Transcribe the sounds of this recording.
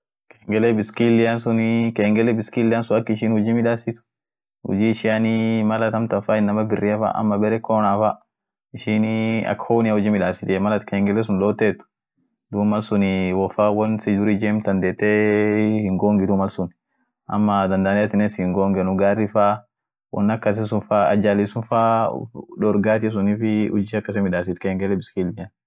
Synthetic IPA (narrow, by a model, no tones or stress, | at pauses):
keːŋɡɛlɛbɪskilːɪjansʊnkeːŋɡɛlɛbɪskiːlːɪaːnsʊnɐkːɪʃiːnhʊd͡ʒiːmɪᶑaːsɪt̪ʊ̥ | hʊ̰d͡ʒiːɪʃɪjanimɐlɐt̪ɐmt̪ɐfaɪnːɐmɐbɪrːɪɐfa̰ʔɐ̰mːɐbɛɾɛkoːnaːfa | ɪʃiːnɐ̰kːhoːnɪahʊd͡ʒiːmɪᶑaːsɪt̪ɪmɐlɐt̪keːŋɡɛlɛs̬ʊnloːt̪ːeːt̪ʊ̥ | d̪uːmɐlsʊnɪwɔfaːwɔnsɪd͡ʒʊɾid͡ʒeːmt̪ɐnd̪eːt̪ːehɪŋɡoːŋɡɪd̪umɐlsʊn | ʔɐ̰mːɐd̪ɐnd̪aːnɛjɐt̪ːɪneshɪŋɡoːŋɡɛnʊɡaːrːɪfaː | wʔɔ̰nːɐkːɐs̬ɪs̬ʊnfaːɐ̰d͡ʒaːlisʊnfaᶑɔɾɡaːt̪ɪs̬ʊniːfɪhʊ̰d͡ʒiːɐkːɐs̬ɛmɪᶑaːsɪt̪kɐhɪŋɡɛlːɛbɪ̥skiːlɪɲɐ